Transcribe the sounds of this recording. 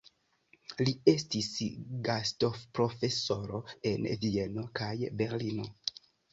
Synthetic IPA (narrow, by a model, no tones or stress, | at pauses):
lie̞stisɡasto̞fpɾo̞fe̞so̞ɾo̞e̞nvie̞no̞kajbe̞ɾlino̞